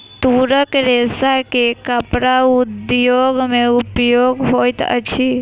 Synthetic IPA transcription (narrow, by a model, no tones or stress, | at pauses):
t̪uɾəkɾesakekəpɾaʊd̪joɡmẽupjoɡɦojt̪ə̰t͡ʃʰi